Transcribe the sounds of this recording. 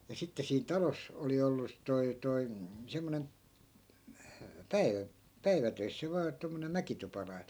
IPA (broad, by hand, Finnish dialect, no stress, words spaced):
jɑ sitːe siːn tɑlos oli olːu toi toi semːonen pæiʋæ pæiʋætøisːæ ʋɑː tomːonem̆ mækitupɑlɑi̯n